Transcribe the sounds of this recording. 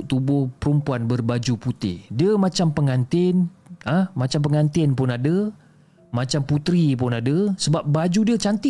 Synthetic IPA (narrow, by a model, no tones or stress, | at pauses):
ʔt̪ubʊhpəɾumpuanbərbad͡ʒuput̪ɪ̰hdiəmãt͡ʃampəŋant̪ɪnəmãt͡ʃampəŋant̪ɪnpʊnadə | mãt͡ʃamput̪ɾip̬ʊnadəsəbap̚bad͡ʒudiət͡ʃant̪ɪ